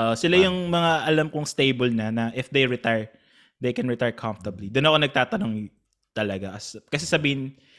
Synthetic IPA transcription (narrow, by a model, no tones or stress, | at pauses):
ʔoʔosɪlajʊŋmɐŋaʔɐlamkʊŋst̪ejbolnɐnɐʔɪfd̪ejɹɪt̪ajɹ | d̪ejkɛnɹɪt̪ajɹkʰaɱft̪ɐblid̪onɐkonɐɡ̚t̪aːt̪ɐno̞ŋ | t̪ɐlɐɡaʔɐskɐs̬ɛsɐbiːhɪn